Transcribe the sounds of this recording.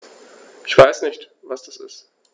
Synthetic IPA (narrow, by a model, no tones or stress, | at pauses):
ʔɪçv̥aɪsnɪçtvasd̥asɪ̰st